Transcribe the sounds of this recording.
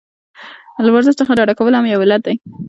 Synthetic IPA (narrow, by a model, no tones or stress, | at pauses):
lawaɾzəʃt͡səxaɖɑɽakawəlhamjawɪlat̪̚d̪aj